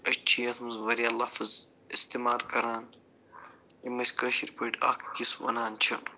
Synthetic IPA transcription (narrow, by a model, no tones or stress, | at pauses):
ɐt͡ʃʰijɐt̪ʰmɐzʋɐɾijalɐfɐz | ist̪imaːɾkɐɾaːn | imɐsʲkɐʃiɾpɐʈʲa̰ːkʰkisʋɐ̰naːnt͡ʃʰɐn